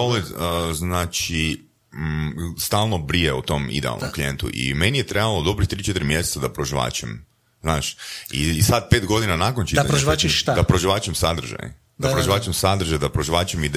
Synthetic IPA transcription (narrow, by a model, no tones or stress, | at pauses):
oleznaːt͡ʃi | st̪aːlˠnobɾijeṵt̪o̞ːmḭd̪eɛ̰a̰lˠnʔomklijent̪ṵʔḭmenijet̪ɾe̞balod̪o̞bɾit̪ɾiːt͡ʃet̪ɾimjeset̪ad̪apɾoʒiʋa̰ːt͡ʃem | znaːʃḭsad̪̚pet̪ɡo̞d̪inanaːkont͡ʃid̪apɾoʒiʋat͡ʃit̪ad̪apɾoʒiʋaːt͡ʃemsad̪r̩ʒa̰j̰ | d̪apɾoʒiʋaːt͡ʃemsad̪ɾr̩ʒajd̪apɾoʒiʋaːt͡ʃemid̪